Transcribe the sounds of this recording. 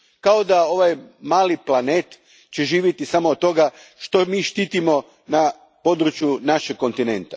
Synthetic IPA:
kao̞d̪ao̞ʋajmaːliplˠane̞ːt̪ | t͡ɕeʒiːʋjet̪isamoːt̪t̪ːo̞ɡaʃt̪o̞miːʃt̪iːt̪imo | na | po̞d̪ɾut͡ɕjunaʃek̚kːo̞nt̪ine̞nt̪ḁ̰

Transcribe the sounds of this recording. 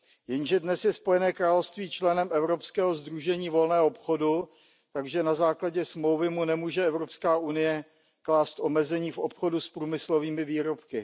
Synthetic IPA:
jɛnʒɛdnɛsjɛspojɛnɛːkɾaːlofst̪viːt͡ʃlɛnɛmʔɛvɾopskɛːɦo̞zd̪ɾuʒɛɲiːvo̞lnɛːɦoopxodu | t̪aɡʒɛnazaːklaɟɛsmlowvɪmunɛmuːʒɛɛvɾo̞pskaːʔunɪjɛ | klaːst̪ʔomɛzɛɲiːfo̞pxo̞duspɾuːmɪsloviːmɪviːɾopkɪ

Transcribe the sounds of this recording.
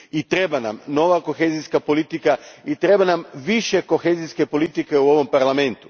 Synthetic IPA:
it̪ɾe̞banamno̞ʋako̞xeziskapo̞lit̪ikait̪ɾe̞banamʋiʃe̞ko̞xe̞ːziske̞po̞lit̪ike̞uo̞ʋo̞mpaɾlˠame̞nt̪u̥

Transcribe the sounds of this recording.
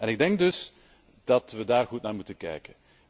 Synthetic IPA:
ɛnɪɡ̚dɛŋk̚dɵs | d̥ɑtʋədaːrɣutnaːrmutənkɛ̰jkən

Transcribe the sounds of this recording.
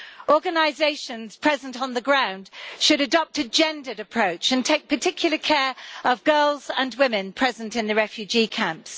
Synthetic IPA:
ʔɔːɡənaɪzeɪʃə̃nz̥pʰɹ̥ɛzə̃n̩tn̩ðəɡɹãʊ̃nd̥ʃɨɾɨdɒp̚təd͡ʒɛ̃ndəɾəpʰɹ̥oʊt͡ʃə̃ntʰeɪk̚pʰətʰɪkʰjl̩ˠəkʰɛːɹəvɡɜːlˠzə̃nwɪmɪ̃npʰɹ̥ɛzə̃ntɪ̃nðəɹɛfjʉd͡ʒikʰãmps

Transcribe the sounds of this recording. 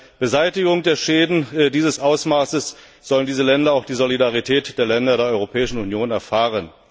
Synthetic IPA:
b̥əzaɪtɪɡʊŋdeːɐʃɛːdn̩diːzəsʔaʊsmaːsəs | z̥ɔləndiːzəlɛndɐaʊxd̥iːzolidaʁitʰɛːtd̥eːɐlɛndɐɾeːɐɔʏʁopʰɛːɪʃn̩unjoːnɛɐfaːʁən

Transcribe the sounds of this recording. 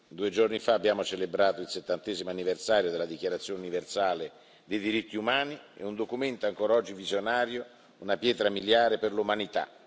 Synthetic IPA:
d̪uːed͡ʒornifaːbːjaːmot͡ʃelebɾaːt̪oilset̪ːant̪ɛːzimoanːiversaːɾjod̪elad̪ikjaɾat̪sjoːnuniversaːle | d̪ejd̪iɾit̪ːiumaːniḛund̪okumɛnt̪oaŋkoːɾaɔd͡ʒːivizjonaːɾjo | unapjɛːt̪ɾamiljaːɾepɪrlumanit̪a̰

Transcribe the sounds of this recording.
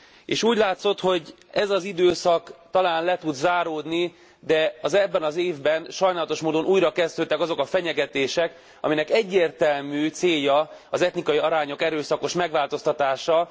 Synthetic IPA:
ḛːʃuːɟlaːt̪so̞t̪ho̞ɟ | ɛzɒzid̪øːsɒkt̪ɒlaːnlɛt̪ud̪zaːɾoːd̪ni | d̪ɛɒzɛbːɛnɒzeːvbɛnʃɒjnaːlɒt̪o̞ʃmoːd̪o̞nʔuːjɾɒkɛzd̪øːt̪ːɛkɒzo̞kɒfɛɲɛɡɛt̪eːʃɛk | ɒ̰minɛkɛɟːeːrt̪ɛlmyːt̪seːjːɒɒzɛt̪nikɒjiɒɾaːɲo̞kɛɾøːsɒko̞ʃmɛɡʋaːlt̪o̞st̪ɒt̪aːʃɒ

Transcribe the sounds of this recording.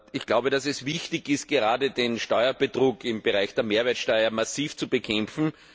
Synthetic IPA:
ɪçɡ̥laʊbədasɛsvɪçtɪçɪst̚ɡ̥əʁaːdədenʃtɔʏɐbətʁ̥uːkɪmbəʁaɪçd̥eːɐmeːɐveɐtʃtɔʏɐmasiːft͡subəkʰɛmfn̩

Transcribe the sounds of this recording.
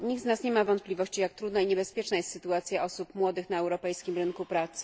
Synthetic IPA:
ɲiɡ̪̚nasɲɛmavɔnt̪plʲivɔɕt͡ɕijakt̪ɾud̪naiɲɛbɛspʲjɛt͡ʂnajɛst̪sɘt̪uat̪sʲjaʔɔsupmwɔd̪ɘxnaɛwɾɔpɛjskʲimɾɘnkupɾat̪sɘ̥

